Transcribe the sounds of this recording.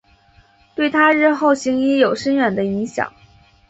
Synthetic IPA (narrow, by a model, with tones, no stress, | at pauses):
t̪we˥˩ɪt̪ʰa˥ɻɻ̩˥˧xo˥˩ʊɕi˧˥ŋi˧˥jo˨˩ʊʂə˥nɥɛ˨˩nd̪ə˦i˧˥ŋɕjɑ̰˨˦ŋ